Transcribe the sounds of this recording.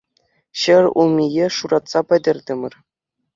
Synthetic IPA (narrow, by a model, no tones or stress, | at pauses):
ɕɘ̆rʲumʲijeʂuɾɑt̪sɑpʲɘ̆dʲɘ̆rʲd̪ʲɘ̆mʲɘ̆rʲ